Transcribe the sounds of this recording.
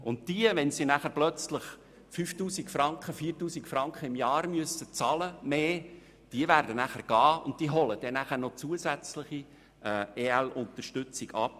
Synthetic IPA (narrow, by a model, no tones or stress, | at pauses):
ʊnt̚diəvɛnsinæχəɾplœt͡sləχ | fyːftuːsikfɾɑŋkχəfiːrtuːsikfɾɑŋkχəɪmjɑːɾmyəstət͡sɑləmeː | d̥iəvæːɾdənæχəɾɡ̥ɑːʊ̰nt̚tiəɦɔləd̥ɛnæχəɾnɔt͡suəzæt͡sləχi | ɛːeːælʊntəɾʃtʏt͡siɡɑ̰p̚